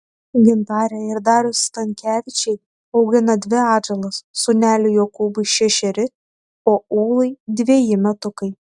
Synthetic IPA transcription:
ɡʲɪnt̪ɑːɾʲɛɪɾd̪ɑːɾʲʊst̪ɐŋʲkʲæːʋʲɪt͡ʃʲɛɪ | ɐʊɡʲɪnɐd̪ʲʋʲɪɑːd͡ʒɛlˠɐsːʊnʲæːlʲɪjoːkuːbɐɪʃʲɛʃʲɛɾʲɪ | oːuːlˠɐɪd̪ʲʋʲiːjɪmʲɛt̪ʊkɐɪ

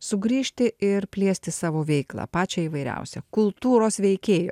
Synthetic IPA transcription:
sʊɡɾʲiːʃʲt̪ʲɪɪɾpʲlʲiɛsʲt̪ʲɪsɑːʋoːʋʲɛɪklˠɑ̰ːpɑːt͡ʃʲɛiːʋɐɪɾʲɛ̰ʊsʲɛ̰kʊlˠt̪uːɾoːsʋʲɛɪkʲeːjo̰ː

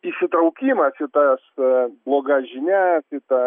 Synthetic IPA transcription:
isʲɪt̪ɾɐʊkʲiːmɐsʃʲɪt̪ɐsblˠoːɡɑʒʲɪnʲæsʲɪt̪ɐ

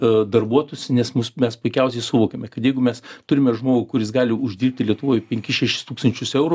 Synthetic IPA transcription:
d̪ɐrbuɔt̪oːjʊsʲɪnʲɛsmʊsmʲɛspʊɪkʲɛʊsʲɛɪsʊʋoːkʲemʲɛkɐt̪jɛɪɡʊmʲɛst̪ʊɾʲɪmʲɛʒmoːɡʊkʊɾʲɪsɡɑːlʲɪʊʒʲdʲiːrp̚ʲt̪ʲɪlʲiɛt̪ʊʋoːjpʲɛŋʲkʲɪʃʲæʃʲɪ̥st̪uːkst̪ɐnʲt͡ʃʲʊsɛʊɾʊ

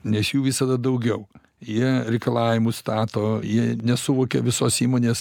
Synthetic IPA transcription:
nʲɛsjuːʋʲɪsɐd̪ɐd̪ɐʊɡʲɛʊ | jiɛɾʲɛɪkɐlˠɑːʋʲɪmʊst̪ɑːt̪oːjiɛnʲɛsʊʋoːkʲɛʋʲɪsoːsiːmoːnʲeːs

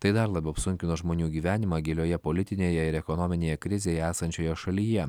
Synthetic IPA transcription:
t̪ɐɪd̪ɐɾlˠɑːbʲɛʊɐpsʊŋʲkʲɪnoːʒmoːnʲuːɡʲiːʋʲæːnʲɪmɑːɡʲeːlʲoːjɛpɔlʲɪt̪ʲɪnʲeːjɛɪɾɛkɔnɔmʲɪnʲeːjɛkɾʲɪzʲeːjɛæːsɐnʲt͡ʃʲoːjoːʃɐlʲiːjɛ

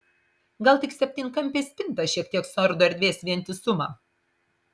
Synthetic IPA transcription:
ɡɐlˠt̪ʲɪksʲɛpʲt̪ʲiːnʲkɐmʲpʲeːsʲpʲɪnˑt̪ɐʃʲiɛk̚t̪ʲiɛksʊɐɾd̪oɛɾʲd̪ʲʋʲeːsʲʋʲiɛnʲt̪ʲɪsʊmɑː

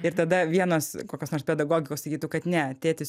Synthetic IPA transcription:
ɪɾt̪ɐd̪ɐʋʲiɛnoːskoːkʲoːsnoːrspʲɛd̪ɐɡoːɡʲɪkoːsɐkʲiːt̪ɐʊkɐt̪nʲɛɐt̪ʲeːt̪ʲɪs

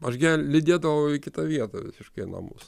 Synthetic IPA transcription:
ɐʃɡʲɛlʲlʲɪd̪ʲeːd̪ɐʋɐʊɪkʲɪt̪ɐʋʲiɛt̪ɐʋʲɪsʲɪʃkɐɪnɐ̰mʊ̰s

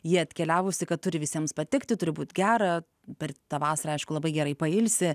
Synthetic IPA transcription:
jiɛɐt̪ʲkʲɛlʲæːʋʊsʲɪkɐt̪̚t̪ʊɾʲɪʋʲɪsʲiɛmspɐt̪ʲɪkt̪ʲɪt̪ʊɾʲɪbuːt̪ʲɡʲæːɾɐ | pʲɛrt̪ɑːʋɑːsɐɾɐɐɪʃkʊlˠɐbɐɪɡʲɛɾɐɪpɐɪlʲsʲɪ

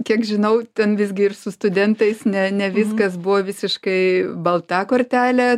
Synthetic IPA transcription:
kʲiɛkʒʲɪnɐʊt̪ʲɛnʋʲɪzʲɡʲɪɪrsʊst̪ʊd̪ʲɛnt̪ɐɪsnʲɛnʲɛʋʲɪskɐs̬bʊʋoːʋʲɪsʲɪʃkɐɪbɐlˠt̪ɑːkoːrʲt̪ʲæːlʲæ

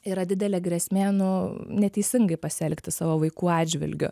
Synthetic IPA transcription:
ɪɾɐd̪ʲɪd̪ʲɛlʲeːɡɾʲɛːsʲmʲeːnʊnʲɛt̪ʲɛɪsʲɪŋɡɐɪpɐsʲɛlʲkt̪ʲɪsɑːʋoːʋɐɪkuːɑːdʲd͡ʒʲʋʲɪ̰lʲɡʲʊ̰

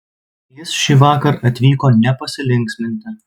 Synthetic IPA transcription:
jɪsʃʲiːʋɑːkɐɾɐt̪ʲʋʲiːkoːnʲɛpɐsʲɪlʲɪŋʲksʲmʲɪnʲt̪ʲɪ

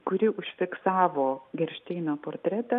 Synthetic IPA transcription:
kʊɾʲɪʔʊʃʲfʲɪksɑːʋoːɡʲɛɾʲʃʲt̪ʲɛɪnopoːɾt̪ʲɾʲɛt̪ɐ

